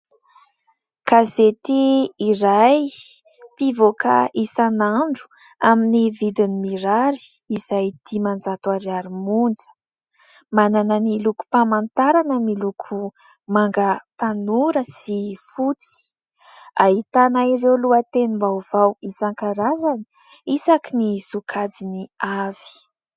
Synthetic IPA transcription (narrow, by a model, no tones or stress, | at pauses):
kazetiːɾaj | pivoka̰ʔisanaɳɖ͡ʐu̥ | aminivid̪inimiɾaɾi̥iz̥ajd̪̥imand͡zat̪uaɾiaɾimund͡zə̥ | manananiluku̥pamant̪aɾanəmilukʰu | maŋɡət̪anuɾəsifut͡si̥ | a̰ɦit̪anairewluət̪enimbav̥awisaŋkaɾazani̥ | isakinisukʰad͡ziniav̥i̥